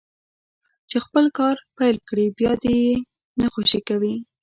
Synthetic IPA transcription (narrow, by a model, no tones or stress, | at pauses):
t͡ʃexpəlkɑɾpajlkɽibjɑd̪eje | naxoʃikawi